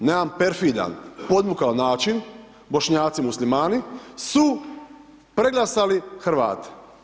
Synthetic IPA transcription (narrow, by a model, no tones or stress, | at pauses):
neampeɾfid̪a̰npo̞d̪mukaonaːt͡ʃin | bo̞ʃɲaːt̪simuslimaːnisu | pɾeɡlˠasalixrɾ̩ʋa̰ːt̪e̥